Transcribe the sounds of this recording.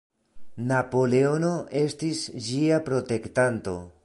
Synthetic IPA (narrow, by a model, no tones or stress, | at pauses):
napo̞le̞o̞no̞e̞stisd͡ʒiapɾo̞te̞ktanto̞̰